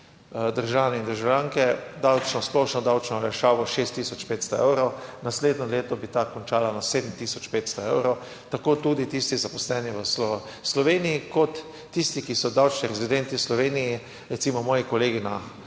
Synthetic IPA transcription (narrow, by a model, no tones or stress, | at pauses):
d̪əɾʒaːwnɛind̪əɾʒawlʲjaːŋkɛd̪awt͡ʃnɔsplɔʃnɔd̪awt͡ʃnɔlɛʃaːʋɔʃest̪ːisɔt͡ʃpeːt̪st̪ɔɛ̰wɾownasleːd̪nɔleːt̪ɔbit̪akɔnt͡ʃaːlanaseːd̪m̩t̪iːsɔt͡ʃpeːt̪st̪ɔewɾow | t̪akoːt̪ud̪it̪ist̪izapɔslɛːniʋəslɔ | slɔʋenijikɔt̪ː | ist̪ikisɔd̪awt͡ʃniɾɛzid̪ɛnt̪islɔʋeːniji | ɾɛt̪siːmɔmɔːjikɔleːɡina